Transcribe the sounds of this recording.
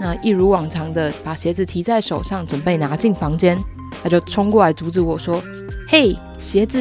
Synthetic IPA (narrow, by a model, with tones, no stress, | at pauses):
na˥˨i˥˩ɻu˧˥wɑ˨˩ŋt͡sʰɑ˧˥ŋd̪ə˧pa˨˩ɕjɛ˧˥d͡zɹ̩˨t̪ʰi˧˥t͡sa˥˩ɪʂo˨˩ʊʂɑ˥˩ŋt͡swə˨˩npe˥˩ɪna˧˥t͡ɕi˥˩ŋfɑ˧˥ŋt͡ɕjɛ˥n | t̪ʰa˥t͡ɕjo˥˩ʊt͡sʰʊ˥ŋkwɔ˥˩la˧˥ɪt̪u˧˥t͡sɻ̩˧˥wɔ˨˩ʂwɔ˥ | he˥˩ɪ | ɕjɛ˧˥d͡zɹ̩˨